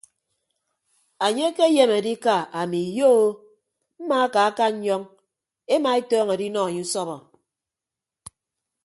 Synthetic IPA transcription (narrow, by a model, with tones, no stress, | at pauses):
a˨ɲe˦ke˦je˦me˨di˦ka˨a˨mi˨jo˦o˦ | m̩˦ma˦ka˨a˦ka˦ɲ̩˦ɲɔ˦ŋ | e˦ma˨e˦tɔː˦ŋe˨di˦nɔ˦a˨ɲe˦u˦sɔ˦βɔ˨